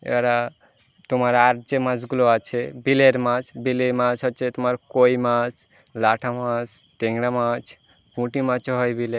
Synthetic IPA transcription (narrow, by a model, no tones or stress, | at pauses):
ḛɾa | t̪omaɾaɾd͡ʑemãd͡ʑɡuloat͡ɕʰebileɾmat͡ʃbilemat͡ʃɦɔtːt͡ʃʰet̪omaɾkojmat͡ʃ | laʈʰamãt͡ʃʈeŋɽamat͡ʃ | pũʈimãt͡ʃɦɔjbile